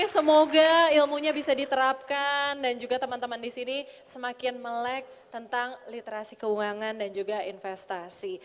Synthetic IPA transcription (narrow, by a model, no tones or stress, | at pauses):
səmoɡailmuɲabisadit̪əɾap̚kandand͡ʒuɡat̪əmant̪əmandisinisəmakɪnməlɛk̚t̪ənt̪aŋlit̪eɾasikəuŋaŋandand͡ʒuɡainfɛst̪asi